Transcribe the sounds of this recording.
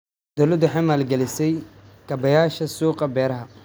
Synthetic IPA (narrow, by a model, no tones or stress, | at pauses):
d̪̥ɔlɐd̪ʊħɪmaːlɡɛlɪsɛjkʰɐbɐjaːʃɐsuːqɑbɛːɾɐɦɐ